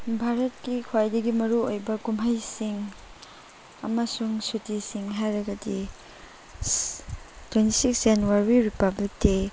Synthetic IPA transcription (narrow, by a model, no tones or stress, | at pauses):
bʱaɾɐt̚kikʰwajdɐɡimɐɾuojbɐkumɦɐjsiŋ | ɐ̰mɐsuŋsutisiŋɦajɾɐɡɐdi | twenti̥siksenuwaɾwiɾipablik̚te